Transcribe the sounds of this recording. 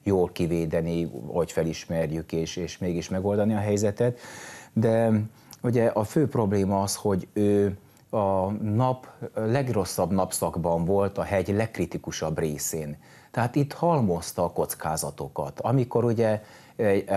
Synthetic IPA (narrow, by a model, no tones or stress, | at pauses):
joːlkiveːd̪ɛniho̞cfɛliʃmɛrjykeːʃeːʃmeːɡiʃmɛɡo̞ld̪ɒniɒɦɛjzɛt̪ɛt̪d̪ɛ | uɟɛʔɒføːpro̞bleːmɒɒsho̞ɟøː | ɒnɒplɛɡro̞sːɒbnɒpsɒɡbɒɱvo̞lt̪ɒɦɛɟlɛkːrit̪ikuʃɒbreːseːn | t̪ɛɦaːt̪it̪hɒlmo̞st̪ɒːko̞t̪skaːzɒt̪o̞kɒ̰t̪ɒmiko̞ɾuɟɛ | ɛ